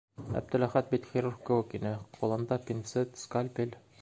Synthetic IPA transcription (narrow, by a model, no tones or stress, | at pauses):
æ̰b̚d̪ɘ̆læχæt̪̚bit̪χʲiɾurkɘ̆wɘkinɘqulˠɤ̆nd̪ɑpʲint̪sɘt̪skalʲpʲelʲ